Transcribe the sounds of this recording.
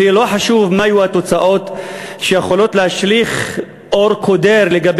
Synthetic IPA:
elo̞ħaʃuvmajuhat̪o̞t͡saʔo̞t̪ʃejeχolo̞t̪lehaʃliχ | ʔoʁkʰo̞d̪eɾleɡab

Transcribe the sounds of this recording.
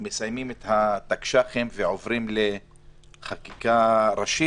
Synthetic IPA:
mesajmimet̪hat̪akʃaχemveovɾimle | χakikaɾaʃi

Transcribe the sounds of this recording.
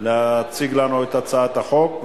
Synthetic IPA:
leat͡siɡlanuet̪at͡saat̪aχo̞kv

